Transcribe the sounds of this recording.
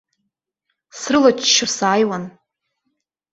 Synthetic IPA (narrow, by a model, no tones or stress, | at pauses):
srɨlat͡ʃʰʃɨsaːjwan